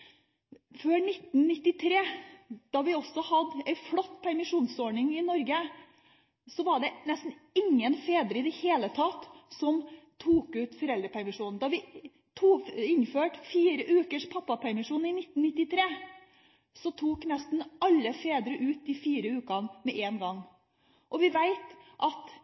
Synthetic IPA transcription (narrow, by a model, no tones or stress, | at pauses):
føːnɪt̪n̩nɪt̪ːɪt̪ʰɾeːd̪̥ɑʋɪɔsɔhɑd̪æɪflɔt̪ːpʰæɾmɪʂuːnsɔɳɪŋɪnɔɾɡə | sɔʋɑɖɛnɛst̪n̩ɪŋːənfeːd̪ɾəɪd̪ɛheːlət̪ʰɑt̪ːsɔmt̪ʰuːkʉːt̪fɔɾɛld̪ɾəpʰæɾmɪʂuːnn̩d̪ɑʋɪ | t̪ʰuːɪnføːʈfiːɾəʔʉːkəʂpʰɑpːɑpʰæɾmɪʂuːnɪnɪt̪ːn̩nɪt̪ːɪt̪ʰɾeː | sɔt̪ʰuːknɛst̪n̩ɑlːəfeːd̪ɾəʔʉːt̪ɪfiːɾəʉːkɑnmɛʔeːnɡɑŋː | ʔɔʋɪʋæɪt̪ʔɑt̪